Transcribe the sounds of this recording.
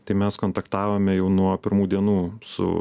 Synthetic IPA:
t̪ɐɪmʲɛskoːnt̪ɐkt̪ɑːʋoːmʲɛjɛʊnuɔpʲɪɾmuːd̪ʲiɛnuːsʊ̰

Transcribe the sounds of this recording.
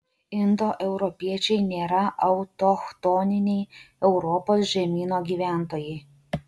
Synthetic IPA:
ɪnd̪oːʔɛʊɾɔpʲiɛt͡ʃʲɛɪnʲeːɾɐʔɐʊt̪oxt̪onʲɪnʲɛɪ | ɛʊɾɔpoːsʒʲɛmʲiːnoːɡʲiːʋʲæːˑnt̪oːjɛɪ

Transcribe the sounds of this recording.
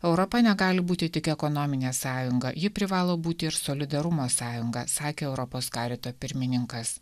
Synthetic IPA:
ɛʊɾɔpɐnʲɛɡɑːlʲɪbuːt̪ʲɪt̪ʲɪkɛkɔnomʲɪnʲeːsɑːjʊŋɡɐjɪpʲɾʲɪʋɑːlˠoːbuːt̪ʲɪɪɾsoːlʲɪd̪ɐɾʊmoːsɑːjʊŋɡɐsɑːkʲeːɛʊɾɔpoːskɑːɾʲɪt̪oːpʲɪɾʲmʲɪnʲɪŋkɐs

